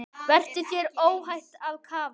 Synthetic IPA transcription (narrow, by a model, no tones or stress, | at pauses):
vɛr̥t̪ʏθʰjɛɾoːwɦajht̪aðkʰaːva